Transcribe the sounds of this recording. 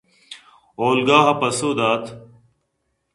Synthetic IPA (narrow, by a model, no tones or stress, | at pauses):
oːlɡaːɦɐpɐsoːd̪aːt̪ʰ